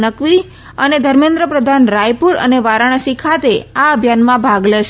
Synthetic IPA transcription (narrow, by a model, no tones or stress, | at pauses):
nəkʋi | əned̪ʱəɾmẽnd̪ɾəpɾəd̪ʱanɾajpuɾə̰neʋaɾaɽ̃sikʰat̪eaəbʱjanmãbʱaɡleʃ